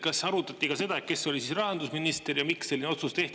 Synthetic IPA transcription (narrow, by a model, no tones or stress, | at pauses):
kɑsɑɾut̪ːˑɑt̪ːˑikɑse̞d̪̥ɑe̞t̪̚ke̞sːo̞lʲisisrɑhɑnd̪usminist̪eɾjɑmiksːelːineo̞t̪sust̪e̞ht̪